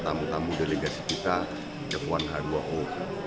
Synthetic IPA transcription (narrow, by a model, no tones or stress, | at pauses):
t̪amut̪amudeleɡasikit̪a | dəkwanɦaduaʔo